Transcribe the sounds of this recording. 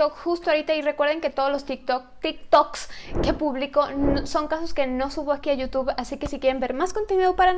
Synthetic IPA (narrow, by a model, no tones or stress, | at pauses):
t̪okxust̪oaɾit̪aire̞kwe̞ɾð̞e̞ŋke̞t̪o̞ð̞ozlo̞st̪ik̪ | t̪ik̚t̪okske̞puβliko̞so̞ŋkaso̞ske̞no̞suβoakiaʝut̪uβasike̞sikje̞ɾe̞mbe̞ɾmaskont̪inwiðaðpaɾa